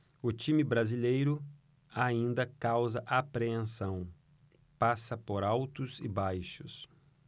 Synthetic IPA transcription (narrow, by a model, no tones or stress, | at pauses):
ʊt͡ʃĩmɪbɾazilejɾʊ | aĩnd̪ɐkawzɐʔapɾeẽsɐ̃w̃ | pasɐpoɾawt̪ʊzɪbajʃʊs